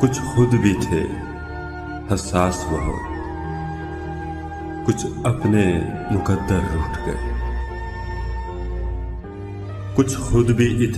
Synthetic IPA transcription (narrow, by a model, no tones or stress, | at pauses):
kʊt͡ʃʰxʊd̪bʱit̪ʰḛː | hɐsaːsʋɐɦõ̰ː | kʊt͡ʃʰɐpnemʊkəd̪ːəɾːʊːʈʰɡḛ | kʊt͡ʃʰxʊd̪bʱiʔɪt̪ʰ